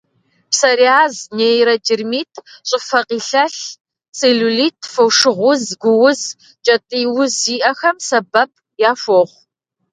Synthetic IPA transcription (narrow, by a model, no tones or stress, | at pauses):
psɐɾiaːzneːjɾɐdɪrmiːtʰɕʼɪfɐqiːɬɐɬ | seːɮuliːtʰfɐwʂɨʁʷʊzɡʷʊwʊz | t͡ʃʼɐtʼiːwʊziːʔɐxɐmsɐbɐp̚ | jaːfʷoːʁʷ